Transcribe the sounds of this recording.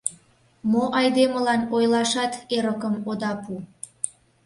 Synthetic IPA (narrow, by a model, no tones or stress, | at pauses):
moʔɑjd̪eməlɑnojlɑʃɑt̪eɾəkəmod̪ɑpu